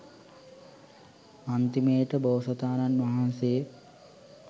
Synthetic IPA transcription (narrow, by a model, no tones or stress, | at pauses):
ant̪imeːʈəboːsɐt̪aːnanʋaɦanse